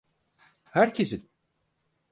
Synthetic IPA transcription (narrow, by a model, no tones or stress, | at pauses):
hæɾcʰesin